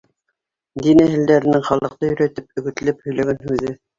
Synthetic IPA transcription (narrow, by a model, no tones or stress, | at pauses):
d̪inæɦɘ̆ld̪æɾɘ̆nɘŋχɑlˠɤ̆q̚t̪ɤjɵ̆ɾæt̪ɘp̚ɵ̆ɡɘ̆t̪ɘ̆lɘphɵ̆jlæɡænhʉðɘ